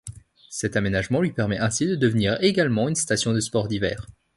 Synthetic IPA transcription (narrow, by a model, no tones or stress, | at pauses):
sɛt̪amenaʒmɑ̃lɥipɛʁmɛʔɛ̃sid̪əd̪əvniʁeɡalmɑ̃ynst̪asjɔ̃d̪əspɔʁd̪ivɛ̰ːʁ